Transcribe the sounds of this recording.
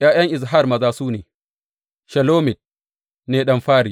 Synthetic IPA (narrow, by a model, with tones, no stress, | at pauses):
jaː˦j̰ɐ˦ŋʔɪ˨z̬ɦa˦˨rmɐ˨zaː˦suː˦neː˨ | ʃɐ˨loː˦mɪ˨t̚ | neː˨ɗɐ˦mɸaː˦ɾi˨